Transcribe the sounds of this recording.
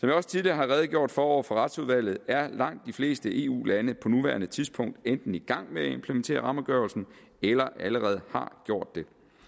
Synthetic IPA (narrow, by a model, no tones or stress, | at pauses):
sɒ̽mʋiɒ̽st͡sʰiðˠliɐɦɑ̈ʁɛːð̞̩ˠɡ̥jo̝ɐ̰d̥fɒːɒʊ̰fɒʁɑ̈d̥suð̞ˠʋæl̰ð̞̩ˠæɐlɑ̈ŋ̰d̥ːifle̝ːsd̥əʔe̝ṵːlænəpʰɒ̽nuʋæːɐnət͡sʰiðˠsb̥ʰɔ̽ŋ̰d̥end̥n̩iɡ̥ɑ̈ŋ̰meæe̝mpʰlement͡sʰe̝̰ːɐʁɑ̈məɡ̥ɶɐlsn̩ | elɐʔæləʁɛːð̞̩ˠhɑ̰̈ɡ̥jo̝ɐ̰d̥ːe̝